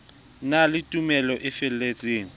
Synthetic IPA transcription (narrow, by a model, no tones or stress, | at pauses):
nalɪtʼumɛlɔʔɪfɛl̩et͡sʼeːŋ̩